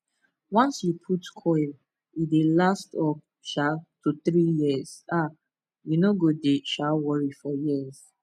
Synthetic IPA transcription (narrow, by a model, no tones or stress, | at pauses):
wãnsjupʰutkʰɔɪl | idelastɔ | ʃatʰuθɹijiəz̥a | junoɡodeʃalwɔɹifɔjiz